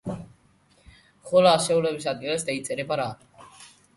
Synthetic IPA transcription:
χɔlaaʃɛulɛbisad̪̚ɡilasd̪ait̪sʼɛɾɛbaɾa

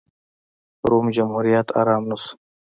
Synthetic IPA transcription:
ɾumd͡ʑɐmhuːɾijat̪ʰa̰ːɾaːmnus

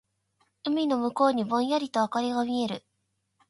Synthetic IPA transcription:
ɯ̟mʲino̞mɯ̟ko̞ːɲ̟ibõ̞ɰ̃jaɾʲit̪o̞akaɾʲiɡamʲie̞ɾɯ̟

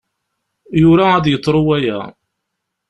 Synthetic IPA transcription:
jʊɾaæd̪jət̪ˤːɾˤʊwæjæ

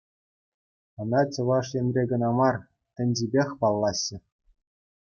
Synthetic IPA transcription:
ɤ̆nɑt͡ɕɤ̆ʋɑʂjenʲrʲeɡɤ̆nɑmɑr | t̪ʲɘ̆nʲd͡ʑibʲexʲpɑlˠːɑɕːɘ̆

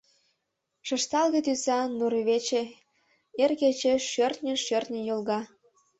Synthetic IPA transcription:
ʃə̆ʃt̪ɑlɣet̪ysɑnuɾeβet͡ɕe | erɣet͡ɕeʃørt̪nʲəʃørt̪nʲə̆jolɣɑ

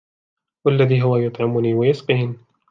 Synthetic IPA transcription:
walːaðiːɦʊwajʊt̪ˤʕɪmʊniːwajʊsqiːɪn

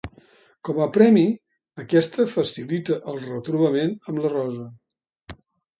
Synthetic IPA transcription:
kɔməpɾɛmi | əkɛst̪əfəsilit̪əʔəlˠrət̪ɾuβəmenəmlərɔzə

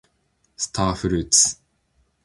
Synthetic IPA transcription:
st̪ʰaːfɾʉt̪s

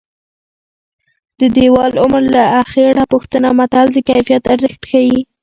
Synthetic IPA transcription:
d̪̥əd̪ewɑlʊmɾlaaxeɽapuxt̪ənamat̪ald̪əkajfijat̪aɾzəxt̪xawi

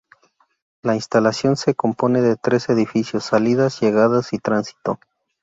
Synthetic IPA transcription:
lainst̪alasjo̞nse̞ko̞mpo̞neðe̞t̪ɾe̞se̞ðifisjo̞sːaliðazʝe̞ɣaðasit̪ɾansi̥t̪o

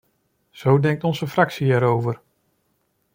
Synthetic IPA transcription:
z̥owdɛŋk̚tɔnzəfrɑksiɛɾowvəɹ

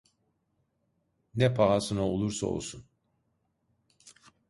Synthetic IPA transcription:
nɛpʰaːsɯnaolˠuɾsa̰o̰lˠsun

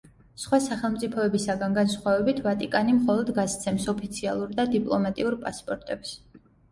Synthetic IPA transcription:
sχwasaχɛlˠmt̪sʼipʰɔɛbisaɡanɡansχwavɛbit̪ʰvat̪ʼikʼanimχɔlˠɔd̪ɡast̪sʰɛmsɔpʰit̪sʰialˠuɾd̪ad̪ipʼlˠɔmat̪ʼiuɾpʼaspʼɔɾt̪ʼɛps

